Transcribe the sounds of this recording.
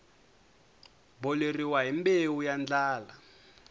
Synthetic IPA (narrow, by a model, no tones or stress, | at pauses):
bɔleriwaɦimbewujand͡ɮaːla